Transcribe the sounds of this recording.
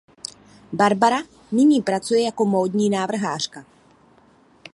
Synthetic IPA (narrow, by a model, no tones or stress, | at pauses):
baɾbaɾa | nɪɲiːpɾat͡sujɛjako̞moːdɲiːnaːvr̩ɦaːr̝̥ka